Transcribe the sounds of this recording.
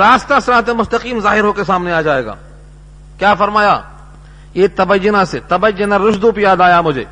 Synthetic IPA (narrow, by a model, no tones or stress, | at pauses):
ɾaːst̪asɾaːt̪̬emʊst̪ɐqiːmzaːɦɪɾɦoːkesaːmneaːd͡ʒaːeːɡa̰ː | kjaːfɐɾmaːjaː | jeːt̪ɐbɐjːʊnãset̪ɐbəjːʊnãɾʊʃd̪upijaːd̪aːjamʊd͡ʒʱeː